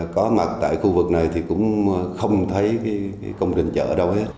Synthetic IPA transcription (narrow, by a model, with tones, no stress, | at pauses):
kɔ˨˦ma˨˩t̚t̪a̰ː˧˨jxu˧vɨ˨˩k̚na˨˩jt̪ʰi˨˩kʊ̰˧˥ŋ͡mxə˧wŋ͡mt̪ʰə˨˦jkaː˨˦jkaː˨˦jkə˧wŋ͡mt͡ɕï˨˩ŋ̟t͡ɕə̰ː˧˩ɗə˧whe˦˥t̚